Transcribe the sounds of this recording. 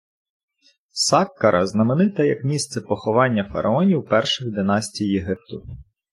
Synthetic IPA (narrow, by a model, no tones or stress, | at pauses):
sɑkːɐɾʔɐ̰znɐmenɪt̪ɐjɐkmʲist̪sɛpɔxɔʋɑnʲːɐfɐ̰ɾʔɐ̰ɔnʲiwpɛrʃɔjd̪enɑsʲtʲijeɦɪp̚t̪ʊ